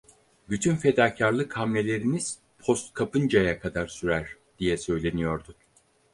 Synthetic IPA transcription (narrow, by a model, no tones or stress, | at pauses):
byt̪ʰynfe̞d̪aːcʰaɾlˠɯkʰhamlʲe̞lʲe̞ɾiniz̥ | pʰost̪̚kʰapʰɯnd͡ʒajakʰad̪aɾsyɾæɾ̥ | d̪̥ijɛsø̞jlʲe̞nijo̞ɾd̪ʊ